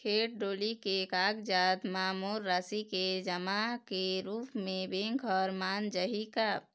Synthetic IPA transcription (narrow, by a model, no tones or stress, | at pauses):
kʰeːʈ̚ɖoːlikekaːɡd͡ʒaːd̪maːmoːɾːaːsiked͡ʒəmakeɾuːpmẽbẽŋkʰɔːɾmaːnd͡ʒəɦika